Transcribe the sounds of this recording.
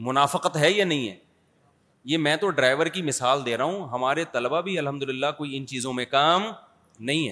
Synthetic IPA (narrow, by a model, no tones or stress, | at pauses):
mʊnaːfɪqət̪ɦɛjanɐɦĩɦɛ̰ː | jeːmɛ̃ːt̪oɖɾaːɪʋəɾkimɪsaːld̪eːɾɐɦũɦɐmaːɾet̪ɐləbabʱiɐlɦɐmd̪ʊlɪlːakoːiɪnt͡ʃiːzõmẽkaːm | nɐɦĩɦɛ̰ː